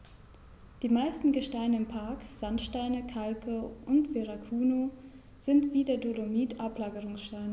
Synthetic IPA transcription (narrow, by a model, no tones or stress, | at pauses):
d̥iːmaɪstn̩ɡəʃtaɪnəɪmpʰaɐkz̥antʃtaɪnəkʰalkʰəʔʊntv̥eʁakʰuːno | z̥ɪntv̥iːdeːɐdolomiːtʰʔaplaːɡəʁʊŋsʃtaɪnə